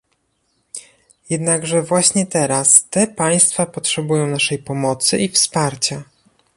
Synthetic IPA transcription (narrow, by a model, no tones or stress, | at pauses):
jɛd̪naɡʐɛvwaɕɲɛt̪ɛɾast̪ɛpaj̃st̪fapɔtʂɛbujɔ̃w̃naʂɛjpɔmɔt̪sɘʔifspaɾt͡ɕa